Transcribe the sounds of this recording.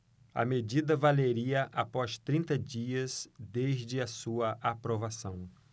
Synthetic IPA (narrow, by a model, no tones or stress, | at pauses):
ɐ̰med͡ʒid̪ɐvaleɾiɐʔapɔst̪ɾĩnt̪ɐd͡ʒiɐzd̪eʒd͡ʒɪɐsuɐʔapɾovasɐ̃w̃